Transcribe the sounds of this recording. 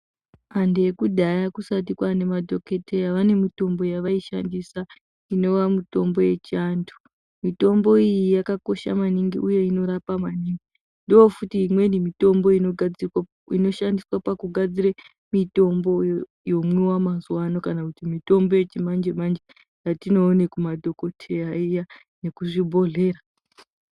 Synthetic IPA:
andekuɗajakusat̬ikwane̞madʱo̞ke̞tʰe̞jaʋane̞mito̞mbo̞jaʋaiʃa̰ndisa | ino̞ʋamito̞mbo̞je̞t͡ʃandu̥ | mito̞mbo̞ijijakako̞ʃa̰maniŋɡiʔuje̞ino̞ɾapamaniːŋɡi | ndoofutiːmwe̞nimito̞mbo̞inoɡd͡z | ino̞ʃandiswapakuɡʱad͡ziɾe | mito̞mbo̞ | jo̞mwiwamazwano̞kanakutimito̞mbo̞je̞t͡ʃimand͡ʒemand͡ʒe | jatino̞ːne̞kumadʱo̞ko̞tʰejaija | ne̞kuʐibʱo̞ɮe̞ːɾa

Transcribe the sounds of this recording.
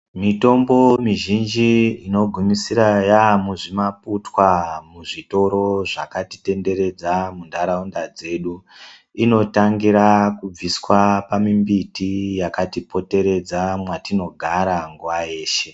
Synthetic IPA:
mito̞mbo̞miʒind͡ʒiino̞ɡʱumisiɾajamuʐimaputwamuʐito̞ɾo̞ʐa̰kati̥te̞nde̞ɾe̞d͡zamundaɾaundad͡ze̞ɗu | ino̞taŋɡiɾakub͡viswapamimbitijakatipo̞te̞ɾe̞d͡zamwatino̞ɡʱaɾaŋɡuwajeːʃe̞

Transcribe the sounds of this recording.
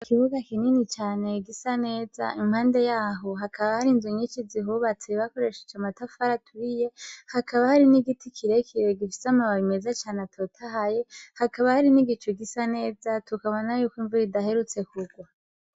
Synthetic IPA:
ikiβuɡakininit͡ʃaːne̞ɡisane̞ːza̰imhaːnde̞jaːɦo̞ɦakʰaβahaɾinzuɲit͡ʃiziɦuβat͡seβako̞ɾe̞ʃe̥t͡ʃamatafaɾatʰuɾije̞hakʰaβahaɾiniɡitʰikʰiɾekʰiɾeɡifi̥samaβaβime̞zat͡ʃaːneatʰotʰaɦaje̞hakaβahaɾiniɡit͡ʃoɡisane̞ːzatʰukaβonajuːkwiɱvuɾidaɦe̞ɾut͡se̞kuɡwa

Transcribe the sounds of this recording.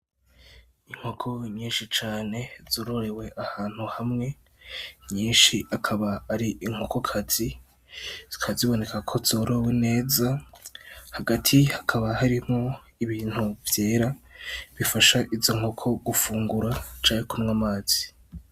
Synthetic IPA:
iŋ̥ho̞kʰo̞ɲiːnʃit͡ʃaːne̞z̥oːɾo̞ɾe̞we̞ʔahaːn̥huhamŋe̞ | ɲiːnʃiʔakʰaβaːɾiʔiŋ̥hoko̞kʰazi | kʰaziβo̞ne̞kakʰo̞zoɾowene̞ːza | haɡatʰihakʰaβahaɾimo̞ | iβiːn̥huvje̞ːɾaβifaʃaʔizo̞ŋ̥ho̞kʰo̞ɡufuːŋɡuɾat͡ʃaːɲekumwamaːz̥i̥

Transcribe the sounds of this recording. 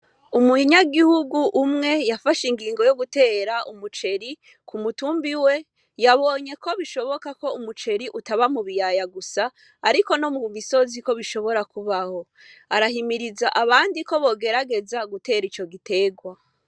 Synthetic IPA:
umuɲaɡihuɡuʔːmŋe̞jafaʃiŋɡiːŋɡo̞jo̞ɡute̞ːɾaʔumut͡ʃe̞ɾi | kʰumutuːmbiwe̞ | jaβo̞ɲe̞ko̞βiʃo̞βo̞kako̞umut͡ʃe̞ɾiʔutaβamuβijajaɡusa | aɾiko̞no̞muβiso̞ziko̞βiʃo̞βo̞ɾakuβaho̞ | aɾahimiɾizaʔaβaːndiko̞βo̞ːɡe̞ɾaɡe̞zaɡute̞ːɾit͡ʃo̞ɡite̞ːɡwa

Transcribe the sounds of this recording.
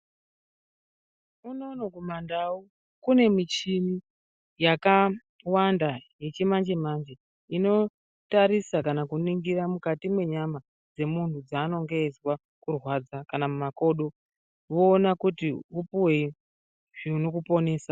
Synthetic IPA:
uno̞nokumandau | kune̞mit͡ʃimi | jaka | wandajet͡ʃemand͡ʒemand͡ʒe̞ | ino̞ | taɾisakanakuniŋɡiɾamukatimwe̞ɲama | d͡ze̞muntʰud͡zaːno̞ŋɡeːzwa | kurwad͡zakanamumako̞ɗo̞ | ʋoːnakutiupuwe | ʐ̥iuno̞kupo̞ne̞ːsa

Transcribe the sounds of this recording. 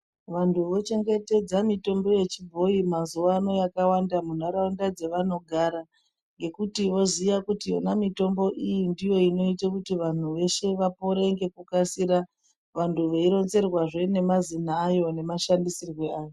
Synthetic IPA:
ʋantʰuʋo̞t͡ʃe̞ŋɡe̞te̞d͡zamito̞mbo̞je̞t͡ʃibʱo̞imazuwaːno̞jakawandamun̤aɾaundad͡ze̞ʋano̞ɡʱaɾa | ŋɡe̞kutiʋo̞zijakutijo̰namito̞mbo̞ʔijindijo̞ino̞itakutiʋan̤uʋe̞ʃe̞ʋapo̞ɾeiŋɡe̞kukasiɾa | ʋantʰuʋeiɾo̞nze̞rwaʐe̞ne̞mazinaːjo̞ne̞maʃandisirwe̞aːjo

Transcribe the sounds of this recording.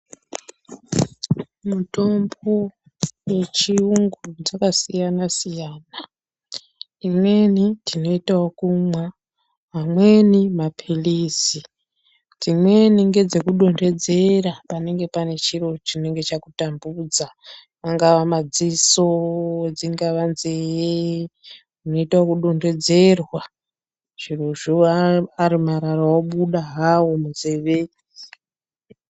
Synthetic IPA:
muto̞mbo | we̞t͡ʃiuŋɡud͡zakasijanasijaːna | imwe̞nitʰino̞itawokumwa | ɦamwe̞nimapʰiliːsi | d͡zimwe̞niŋɡe̞d͡ze̞kuɗo̞nde̞d͡ze̞ɾapane̞ŋɡe̞pane̞t͡ʃiro̞t͡ʃine̞ŋɡet͡ʃakutambud͡za | aŋɡaʋamad͡zisod͡ziŋɡaʋanzeje | unoitwakuɗonde̞d͡ze̞rwa | ʐ̥iroʐoaaɾimaɾarawoɓuɗaɦawomud͡zeːʋe

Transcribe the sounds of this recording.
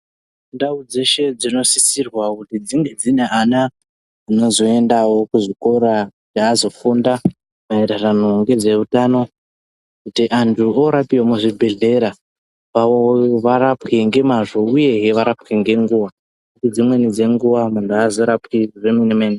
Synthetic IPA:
ndaud͡ze̞ʃe̞d͡zino̞sisirwakutid͡ziŋɡe̞d͡zine̞ʔana | ino̞zo̞e̞ndawo̞kuʐiko̞ɾakutiazo̞funda | mueɾaranoŋɡe̞d͡ze̞utano̞ | kutiʔantʰuoɾapiwomuʐibʱe̞ɮe̞ɾa | ʋaʋoʋaɾapkeŋɡe̞maʐo̞uje̞ɦeʋaɾapkiŋɡe̞ŋɡuːwa | kutid͡zimwe̞nid͡ze̞ŋɡuʋamantʰuazo̞ɾapkiʐeminemeːne

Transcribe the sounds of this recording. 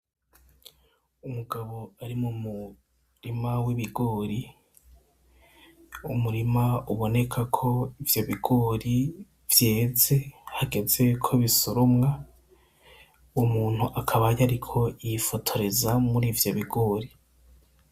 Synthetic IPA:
umuɡaβo̞aɾimumu | ɾimawiβiɡo̞ːɾi | umuɾimauβo̞ne̞kʰakʰo̞ivjo̞βiɡo̞ːɾi | vje̞ːze̞haɡe̞ze̞kʰo̞βisoɾomŋa | umuːn̥huʔakʰaβajaɾikʰo̞ifo̞tʰo̞ɾe̞zamuɾiːvjoβiɡo̞ːɾi

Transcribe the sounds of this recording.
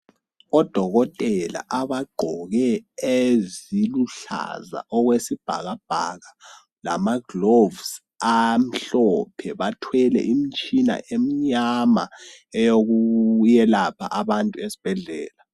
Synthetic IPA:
ɔd̥ʱɔɣɔtʼɛla̰ʔaβaɡ͡ǃʱɔɣɛeziluɬa̰za̰ʔɔɣwesib̥ʱaɣab̥ʱa̰ɣa | la̰maɡlovs | am̩ɬɔpʰɛβatʰwɛlɛ̰ʔimit͡ʃʼina̰ʔem̩ɲama | ɛjoɣujɛlapʰa̰ʔaβantʼuesi̥b̥ʱɛɮɛːla

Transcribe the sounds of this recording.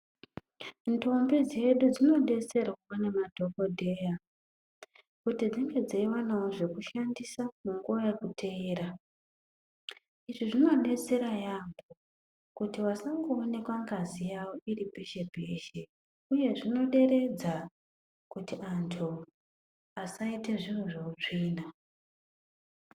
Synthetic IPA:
nto̞mbid͡ze̞ɗud͡zino̞ɗe̞t͡se̞rwanemadʱo̞ko̞dʱe̞ja | kutid͡ziŋɡe̞d͡zaiwanawoʐe̞kuʃandisamuŋɡuwojekutʰeiːra | iʐiʐino̞ɗe̞t͡se̞ɾajambo̞ | kutiwasaŋɡuːne̞kwaŋɡazijawo̞iɾipeʃe̞bʱe̞ʃe | uje̞ʐino̞ɗe̞ɾe̞d͡za | kutiʔantʰu | asaite̞ʐiwoʐout͡ʂiːna

